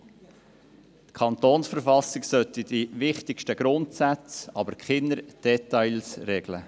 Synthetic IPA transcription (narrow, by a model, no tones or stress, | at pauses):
t̪kʰɑnt̪oːnsfəɾfɑsɪksœt̪id̥iʋɪχtɪkʃtəɡ̥ɾʊntsæt͡sɑbəɾkχɪnːəɾd̥ɛt̪ɑɪlsrɛɡ̥lə̰